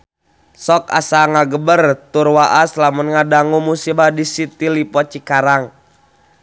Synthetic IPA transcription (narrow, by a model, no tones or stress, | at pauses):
sɔk̚a̰saŋaɡəbərt̪urwaʔaslamunŋadaŋumusibadisit̪ilipɔt͡ʃikaɾaŋ